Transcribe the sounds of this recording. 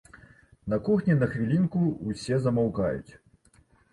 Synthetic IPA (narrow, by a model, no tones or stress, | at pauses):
nɐkɔxnʲɛnɐxvʲilʲinkuusʲɛzɐmawkajṵt͡sʲ